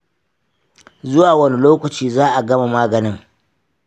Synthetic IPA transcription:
zʊ˦waː˨wɐ˦ni˦loː˦kɐ˨t͡ʃiː˦zaː˦ʔa˨ɡɐ˦ma˨maː˦ɡɐ˨nɪ˦ŋ

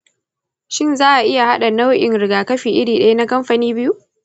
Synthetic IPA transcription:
ʃɪ˦nzaː˦ʔa˨ʔɪ˦ja˨ha˦ɗa˨na˦wʔɪ˨nɾɪ˨ɡaː˨kɐ˦ɸiː˨ʔɪ˦ɽiː˨ɗɐ˦ja˦na˦kɐ˦mɸa˨niː˦bɪ˦ju˦ʔ

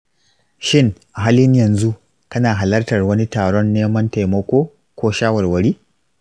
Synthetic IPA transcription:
ʃɪ˦ŋʔa˨ɦaː˦lɪ˦ɲjɐ˨nzu˦ʔ | kɐ˦naː˨ɦa˨lɐ˦rtɐ˨rwɐ˦ni˦taː˨ɽɔ˦nːeː˦mɐ˦nta˨jmɐ˦kʷoː˦ | kʷoː˦ʃaː˦wɐ˨rwɐ˨ɽiː˦

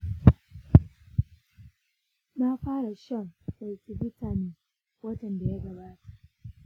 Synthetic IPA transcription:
na˦ɸaː˦ɽa˨ʃɐ˦˨mʔa˨jkʲi˦bɪ˦tʰa˨niː˨ | wɐ˦tɐ˨nda˨ja˦ɡɐ˨baː˦ta˨ʔ

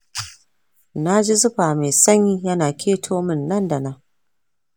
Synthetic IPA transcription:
na˦d͡ʒi˦zʊ˦ɸaː˨meː˨sɐ˦ɲjiː˦jɐ˦naː˨kʲʰeː˦tʰoː˦mɪ˦˨nːɐ˦nda˨na˦

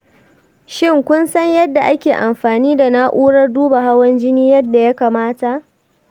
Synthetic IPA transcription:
ʃɪ˦˨ŋkʷʊ˦nsɐ˦ɲjɐ˦dːa˨ʔa˦kʲeː˨ʔa˨mɸaː˨niː˦da˨na˦ʔʷuː˦ɽɐ˦rduː˦ba˨ɦa˦wɐ˦nd͡ʒɪ˦niː˦jɐ˦dːa˨ja˦kaː˨maː˦ta˨ʔ

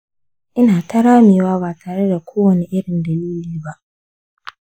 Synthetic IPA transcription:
ʔɪ˦naː˨tɐ˦ɾaː˦miː˨waː˦βaː˨tʰaː˨ɽe˦da˨kʷoː˦wɐ˨ni˦ʔɪ˦ɽɪ˨ndɐ˨liː˦liː˦ba˦ʔ

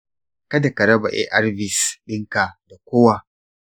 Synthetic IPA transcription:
kɐ˦da˨kɐ˨ɾɐ˦ba̰˨ʔḛ˦ʔɐ˦rbɪ˨sɓɪ˦ŋkaː˨da˨kʷoː˦wa˨

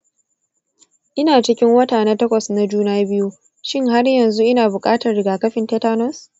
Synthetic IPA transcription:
ʔɪ˦naː˨t͡ʃɪ˦kʲɪ˦ŋwɐ˦taː˨na˦tɐ˦kʷɐ˨sna˨d͡ʒuː˦naː˦bɪ˦ju˦ | ʃɪ˦ŋɦa˦rjɐ˨nzu˦ʔɪ˦naː˨bʊ˨kʼaː˦tɐ˨rɽɪ˨ɡaː˨kɐ˦ɸɪ˨ntɛ˦taː˦nɔ˦s

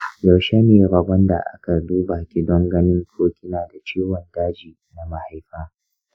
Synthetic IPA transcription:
jɐ˨wʃe˦neː˨ɾɐ˨bɐ˦nda̰˨ʔa̰˦ka˨duː˦baː˨kʲɪ˨dɔ˦ŋɡɐ˦nɪ˦ŋkʰoː˦kʲɪ˦naː˨da˨t͡ʃiː˦wɔ˨ndaː˦d͡ʒiː˨na˨ma˨ha˦jɸaː˦

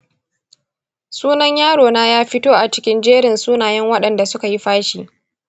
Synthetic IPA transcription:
suː˦nɐ˦ɲjaː˦ɽoː˨naː˦jaː˦ɸɪ˦toː˦ʔa˨t͡ʃɪ˦kʲɪ˦nd͡ʒeː˦ɽɪ˨nsuː˦naː˨jɛ˦ŋwɐ˦ɗɐ˨nda˨sʊ˦ka˨ji˦ɸaː˦ʃiː˨ʔ

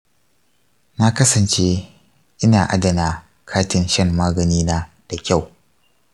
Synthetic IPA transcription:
na˦kɐ˦sɐ˨nt͡ʃe˦ | ʔɪ˦naː˨ʔa˦dɐ˨naː˨ | kʰaː˦tɪ˨nʃɐ˦mːaː˦ɡɐ˨niː˦naː˦ | d̥a˨kʲa˦˨w

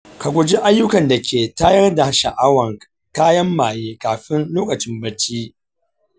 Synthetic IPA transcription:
ka˨ɡʷʊ˨d͡ʒi˦ʔa˦jːʊ˦kɐ˨nda˨kʲeː˨taː˦jɐ˦rda˨ʃa˨ʔa˦wɐ˨ŋ | kaː˦jɐ˦mːaː˨jeː˦kaː˨ɸɪ˦nloː˦kʼɐ˨t͡ʃɪ˦mbɐ˦t͡ʃiː˦

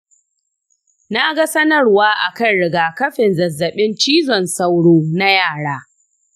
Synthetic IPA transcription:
na˦ɡa˦sɐ˦nɐ˦rwaː˦ʔa˨kɐ˦˨nɽɪ˨ɡaː˨kɐ˦ɸɪ˨nzɐ˨zːɐ˨ɓɪ˦nt͡ʃiː˦zɔ˨nsɐ˦wɽoː˦na˦jaː˦˨ɽaː˦

